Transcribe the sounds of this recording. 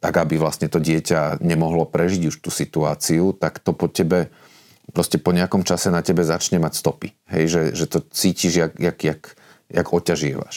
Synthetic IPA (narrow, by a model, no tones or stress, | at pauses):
t̪aɡabiʋlasɲɛt̪ɔɟɪɛcaɲɛmɔɦlɔpɾɛʒiɟuʃt̪uːsit̪uaːt͡siut̪akt̪ɔpɔcɛbɛ | pɾɔscɛpɔɲɛakɔmt͡ʃasɛnacɛbɛzat͡ʃɲɛmacst̪ɔpi | ɦɛ̰jʒɛʒɛt̪ɔt͡siːciʒjakjaɡjak | ja̰ɡɔcaʒɪɛ̰ʋa̰ʃ